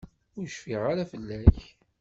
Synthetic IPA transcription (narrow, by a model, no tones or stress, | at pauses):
ʊjəʃfiʁaɾafəlːæç